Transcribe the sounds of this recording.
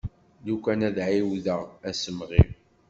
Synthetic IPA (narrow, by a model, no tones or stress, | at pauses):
lukʷænæðʕiwðəʁæsəmʁḭm